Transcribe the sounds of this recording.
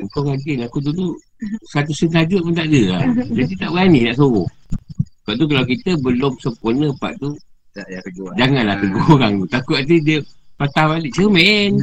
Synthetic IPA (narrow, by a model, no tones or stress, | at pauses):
əŋkawɡaɡinakud̪ud̪uʔ | sat̪usənk̪ad͡ʒʊʔ̚munt̪aʔdəad͡ʒant̪it̪aʔbəɡanɪnaʔsoɣɔh | əbaʔt̪uk̬alawkit̪əbəlʊmsəmpurnəpa̰ʔt̪u | ɡd͡ʒaŋanlaht̪əɡɔhɣaŋt̪ut̪akuat̪idiəpat̪abaliʔt͡ʃəmɛn